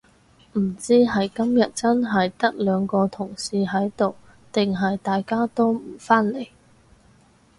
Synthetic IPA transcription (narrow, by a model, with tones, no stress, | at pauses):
m̩˨˩t͡siː˥ɦɐ˨jkɐ˥mjɐ˨t̚t͡sɐ˥nɦɐ˨jt̪ɐ˥k̚lœː˨˧ŋkɔː˧t̪ʰʊ˨˩ŋsiː˨˧ɦɐ˨˥jt̪o˨w | t̪ɪ˨ŋɦɐ˨jt̪aː˨jkaː˥t̪o˥wm̩˨˩faː˥nle˨˩j